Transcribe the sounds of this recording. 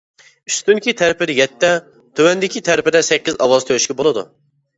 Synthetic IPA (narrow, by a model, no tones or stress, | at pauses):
yst̪ynkʲit̪ʰæɾɪpɪd̪ɪjɛt̪ːɛ | t̪ʰøwɛnd̪ɪkʲit̪ʰɛɾpɪd̪ɛsɛkʲːizɑwɑz̥t̪ʰøyʃkʲɛbolˠɨd̪ṵ